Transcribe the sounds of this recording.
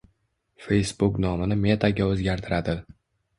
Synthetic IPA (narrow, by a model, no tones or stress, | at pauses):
fe̞jsbʊknɒmɪnɪme̞t̪ʰaɡʲaɵzɡʲaɾt̪ʰɪɾad̪ɪ